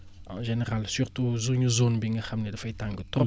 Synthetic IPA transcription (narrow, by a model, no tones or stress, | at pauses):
ã̰ʒeneʁalsyɾtuzuɲuzonbiŋɡəxɐmnedɐfɐjtãŋɡət̪